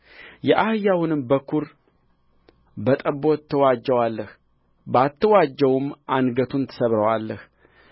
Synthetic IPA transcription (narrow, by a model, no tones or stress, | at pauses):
jɛʔahɨjawunɨmbəkʰuɾ | bət̪ʼəbo̞t̪ʰːəwad͡ʒːəwalːəh | bat̪ːəwad͡ʒːəwumʔanɡət̪ʰunt̪ʰə̥səβɾəwalːəh